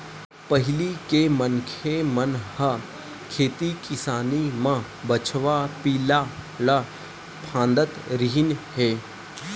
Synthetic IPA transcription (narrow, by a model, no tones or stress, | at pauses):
pəɦɪlikemənkʰemənhə | kʰeːt̪ikɪsaːnimã | bət͡ʃʰʋapiːlala | pʰãːnd̪ət̪ɾiɦɪnheː